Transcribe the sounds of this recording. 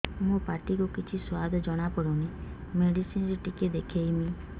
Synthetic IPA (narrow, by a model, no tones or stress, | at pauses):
mũpaʈikukit͡ʃʰiswad̪ʱɔd͡ʒɔɽ̃apɔɽɔnimeɖisinsʈiked̪ekʰejmi